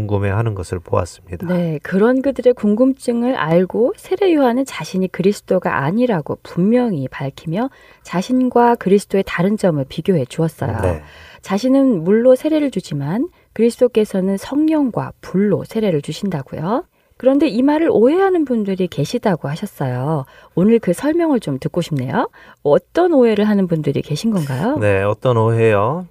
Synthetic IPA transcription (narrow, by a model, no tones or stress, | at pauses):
uŋɡɯmehanɯnɡʌsʰɯɭpoa̰s͈ɯmɲidne̞kɯɾʌnɡɯdɯɾe̞kuŋɡɯmt͡ɕ͈ɯŋɯɾʔa̰ɭɡosʰe̞ɾe̞juanɯnt͡ɕaɕʰiɲikɯɾisʰɯ̥t͈ʰoɡa̰ʔa̰ɲiɾaɡo̰pumːjʌŋipaɭkʰimjʌ | t͡ɕaɕʰinɡwakɯɾisʰɯ̥t͈ʰoe̞taɾɯnd͡ʑʌmɯɭpiɡjoɦe̞t͡ɕuʌs͈ʌjo̰ḛt͡ɕaɕʰinɯnmuɭːosʰe̞ɾe̞ɾɯɭt͡ɕud͡ʑiman | kɯɾisʰɯ̥tʰok͈e̞sʰʌnɯnsʰʌŋɲʌŋɡwa̰puɭːosʰe̞ɾe̞ɾɯɭt͡ɕuɕʰindaɡ̥ṵjo | kɯɾʌnde̞imaɾɯɾʔoɦe̞ɦanɯnbundɯɾike̞ɕʰidaɡohaɕʰʌs͈ʌjoonɯɭkɯsʰʌɭmjʌŋɯɭt͡ɕomtɯk͈oɕʰimne̞̰joʌt͈ʌnoɦe̞ɾɯɭɦanɯnbundɯɾḭke̞ɕʰinɡʌnɡajone̞ʌt͈ʌnoɦe̞jo